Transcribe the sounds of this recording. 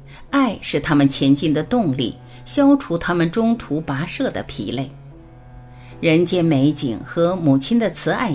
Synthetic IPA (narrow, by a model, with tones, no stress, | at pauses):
a˥˧ɪʂɻ̩˥˩t̪ʰa˥mə˨nt͡ɕʰjɛ˧˥nt͡ɕi˥˩nd̪ə˩t̪ʊ˥˧ŋlḭ˥˩ | ɕjɑ˥ʊʈ͡ʂʰu˧˥t̪ʰa˥mə˨nʈ͡ʂʊ˥ŋt̪ʰu˧˥pa˧˥ʂɤ˥˩d̪ə̰˩pʰḭ˧˥le˥˩ɪ | ɻə˧˥nt͡ɕjɛ˧˥nme˧˥ɪt͡ɕḭ˨˩ŋxɤ˧˥mu˨˩t͡ɕʰi˥nd̪ə˨t͡sʰɹ̩˧˥a̰˥˩ɪ